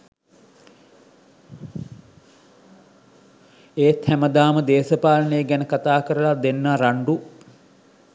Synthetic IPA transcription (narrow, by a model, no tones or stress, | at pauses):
eːt̪ʰhæməd̪aːməd̪eːsəpaːlənejəɡænəkat̪aːkəɾəlad̪enːaɾaɳɖu